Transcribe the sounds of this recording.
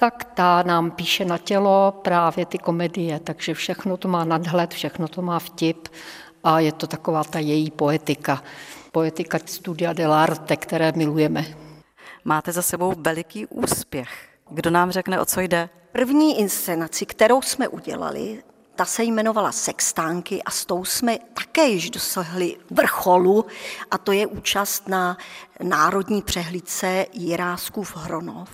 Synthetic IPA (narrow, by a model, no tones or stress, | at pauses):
t̪akt̪anaːmpiːʃɛnacɛlopɾaːvjɛt̪ɪko̞mɛdɪjɛt̪aɡʒɛfʃɛxnot̪o̞maːnadɦlɛt̪fʃɛxnot̪o̞maːfcɪp | ʔajɛt̪o̞t̪ako̞vaːt̪ajɛjiːpoɛt̪ɪkapojɛt̪ɪkast̪udɪadɛlaɾt̪ɛkt̪ɛɾɛːmɪlujɛmɛ | maːt̪ɛzasɛbo̞wvɛlɪkiːʔuːsspjɛx | ɡdonaːmr̝ɛknɛʔo̞t͡sojdɛ | pr̩vɲiːʔɪnst͡sɛnat͡sɪkt̪ɛɾo̞wsmɛʔuɟɛ̰la̰lɪ̰ | t̪asɛjmɛno̞vala̰sɛkst̪aːŋkɪʔast̪o̞wsmɛt̪akɛːjɪʒdo̞saɦlɪvr̩xo̞luʔat̪o̞jɛʔuːt͡ʃast̪nanaːɾo̞dɲiːpr̝̥ɛɦlit͡sɛjɪɾaːskuvɦɾo̞no̰f